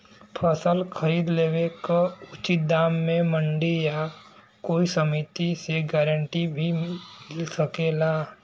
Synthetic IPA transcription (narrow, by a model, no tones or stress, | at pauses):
pʰəsəlkʰəɾiːd̪leːʋekaʊt͡ʃit̪̚d̪aːmːẽmə̃ɳɖija | koːisəmit̪iseɡɛːɾə̃ɳʈibʱimɪlsəkeːlaː